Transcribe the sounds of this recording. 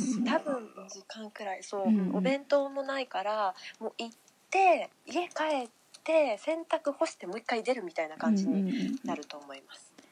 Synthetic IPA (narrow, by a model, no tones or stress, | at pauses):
t̪abɯ̟̃nd͡ʑikãŋkɯ̟ɾaiso̞ːɯ̟ʔobẽ̞nt̪o̞mo̞naikaɾamo̞ːʔitt̪ːe̞ | ie̞kae̞t̪ːe̞sẽ̞nt̪akɯ̟ho̞ɕi̥t̪e̞mo̞ikːaid̪e̞ɾɯ̟mʲit̪ainakãɲ̟d͡ʑiɲ̟inaɾɯ̟t̪o̞ːmo̞imasɨ̥